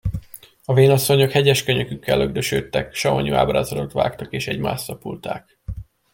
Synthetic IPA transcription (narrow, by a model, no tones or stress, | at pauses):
ɒveːnɒsːo̞ɲo̞khɛɟɛʃkøɲøkykːɛlːøɡd̪øʃø̰ːt̪ːɛkʃɒmɒɲua̰ːbraːzɒlot̪ʋa̰ːkt̪ɒkeːʃɛɟma̰ːsɒpult̪aːk